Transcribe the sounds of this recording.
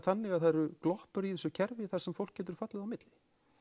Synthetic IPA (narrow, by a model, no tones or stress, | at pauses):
t̪θanːɪɣaðθajɾʏklɔhpʏɾiθɛsʏcʰɛɾvɪθḁsɛmfow̪k̚cːɛːt̪̬ʏɾ̥fat̪lɪðawmɪt̪lɪ